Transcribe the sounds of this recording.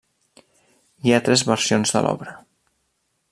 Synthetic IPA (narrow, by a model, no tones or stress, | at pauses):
iat̪ɾɛzβəɾsionzðə̰lʔɔ̰βɾə